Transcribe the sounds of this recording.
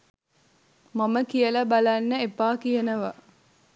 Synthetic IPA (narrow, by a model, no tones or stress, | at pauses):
maməkijəlɐbalanːəepaːkijənəʋa